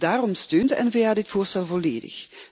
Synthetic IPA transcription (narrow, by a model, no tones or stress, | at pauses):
d̥aːrɔmstøːndəʔɛnvejaːdɪtfoːrstɛlˠvoleːdə̰x